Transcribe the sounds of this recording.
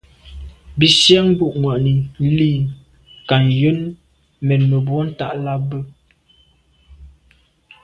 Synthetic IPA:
bi˨sja˦ŋ˦bu˦˨ʔŋwa˨ʔni˨li˦˨ | ka˨njə˦n | mɛ˨nmə˨bwɔ˦n̩˦ta̰˦˨ʔla˦bə˦

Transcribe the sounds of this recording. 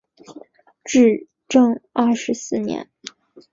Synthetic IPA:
ʈ͡ʂɻ̩˥˩ | ʈ͡ʂɤ˥˧ŋɐ˥˩ʂɻ̩˧˥sɹ̩˥˩njɛ̰˧˥n

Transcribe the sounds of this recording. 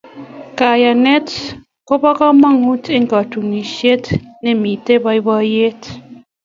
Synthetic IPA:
ka˨ja˨nɛ˦t | ko˦bɔ˦kɔ˦ma˦˨ŋu˦te˦ŋ˨kɔ˨tu˨ni˨ʃe˦tne˨mi˨te˦ba˦i˦bɔ˦je˦t

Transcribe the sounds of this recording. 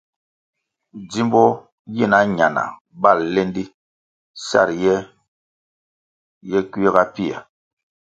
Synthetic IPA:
d͡zi˦mbɔ˦ | ji˦˨na˦ɲa˨na̰˨ | ba˦˨lːe˦ndi˦ | sa̰˦˨ɾjɛ˦ | jɛ˦kwe˦ɣa˦pi˦a̰˨

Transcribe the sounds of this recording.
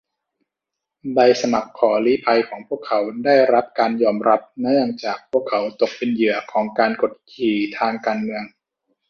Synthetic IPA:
da˧jsa˧ma˨˩p̚kʰɔː˩˦liː˦˥pʰa˧jkʰɔː˩˦ŋpʰu˥˩əkʰːa˩˦wdaː˥˩jɾa˦˥p̚kaː˧njɔː˧mɾa˦˥p̚na˦˥la˧ŋt͡ɕaː˨˩k̚pʰu˥˩əkʰːa˩˦˥wt̪o˨˩k̚pe˧njɯ˩˦ɐkʰɔː˩˦ŋkaː˧nko˨˩t̪̚kʰiː˨˩t̪ʰaː˧ŋkaː˧nmɯ˧əŋ

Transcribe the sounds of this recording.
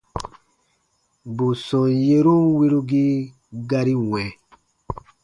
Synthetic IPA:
bu˨sɔ̃˨je˦ɾũ˦wi˦ɾu˦ɡi˦ | ɡa˧ɾi˦wɛ̃˨

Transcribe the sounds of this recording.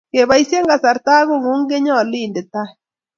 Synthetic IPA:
ke˨βa˨˦i˦sje˦ŋɡa˨sa˨ɾta˦ɣo˦˨ŋu˦ŋ˦ɡe˦ɲɔ˦˨liː˦˨nde˨ta˦

